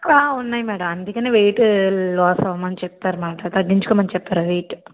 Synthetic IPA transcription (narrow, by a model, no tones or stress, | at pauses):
aːʊnːaːjmɛːɽɐmɐnd̪ikʲːɐneʋeːʈɯlaːsɐʋmɐnːt͡ʃɛp̚t̪aːɾmaːʈat̪ɐɖːiɲd͡ʒukoːmɐnt͡ʃɛp̚t̪aːɾaʋeːʈ